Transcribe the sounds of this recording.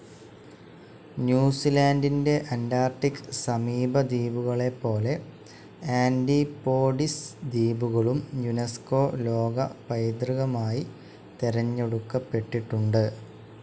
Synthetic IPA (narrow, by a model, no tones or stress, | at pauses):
njuːsilaːndinde̞ʔɐndaːrʈːikːɨ̥sɐmiːbɐd̪iːbuɣɐɭe̞pːo̞ːle̞ | aːndipo̞ːɖisd̪iːbuɣɐɭumjunesko̞ːlo̞ːɡɐpɐjd̪ɾriɣɐmaːji | t̪eɾɐɲːeɽukːɐpːe̞ʈːiʈːuɳɖɨ